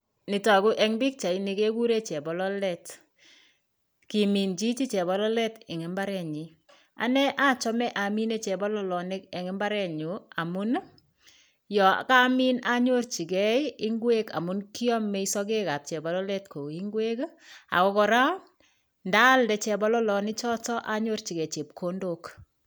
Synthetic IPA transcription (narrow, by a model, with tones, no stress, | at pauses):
nɪ˨tɔ˨ɡʊ˦ʔɛ˦ŋbɪ˦k̚t͡ʃa˨i˦nɪ˨ke˦ɡu˦ɾe˦t͡ʃɛ˨bɔ˨lɔ˦lɛ˦t | ki˨mi˨nd͡ʒi˦t͡ʃi˦t͡ʃɛ˨bɔ˨lɔ˦lɛ˦tɛ˨ŋɛ˨˦mba˦ɾɛ˨ɲi˨ | a̰˨nɛ˦ʔa˦t͡ʃɔ˦mɛ˦ʔa˨mi˦ne˦t͡ʃɛ˨bɔ˦lɔ˦lɔ˨nɪ˦kɛ˨ŋɛ˦mba˦ɾɛ˦˨ɲu˨a˨mʊ˦n˦ | jɔ̰˨ka˦mi˦na˦ɲo˦ɾt͡ʃi˨ɡɛ˦ɪ˦ŋɡwe˦ka̰˨mʊ˦nki˦ɔ˦mːɛ˨˦i˦sɔ˦ɡe˦ka˨p̚t͡ʃɛ˨ba˨lɔ˦lɛ˦tko˨i˦ŋɡwe˦ka̰˨kɔ˨kɔ˨ɾa˦ | nda˦ldɛ˦t͡ʃɛ˨bɔ˦lɔ˦lɔ˨nɪ˦t͡ʃɔ˦tɔ˦ʔa˨ɲo˦ɾt͡ʃi˨ɡɛ˨t͡ʃe˨p̚kʰo˦ndo˦k